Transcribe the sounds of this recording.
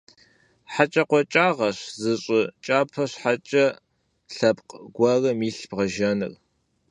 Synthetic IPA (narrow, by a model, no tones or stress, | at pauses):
ħat͡ʃʼɐqʷɔt͡ʃʼaːʁɐɕzɨɕʼɪt͡ʃʼaːpʰɐɕħat͡ʃʼɐ | ɬɐpqɡʷɐrɐmiːɬb̥ʁɐʒɐnɨ̰r